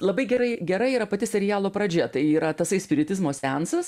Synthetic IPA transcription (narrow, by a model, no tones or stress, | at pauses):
lˠɐbɐɪɡʲɛɾɐɪɡʲɛɾɐɪiːɾɐpɐt̪ʲɪsʲɛɾʲɪjæːlˠoːpɾɐd͡ʒʲɛt̪ɐɪiːɾɐt̪ɐsɐɪsʲpʲɪɾʲɪt̪ʲɪzmoːsʲænsɐs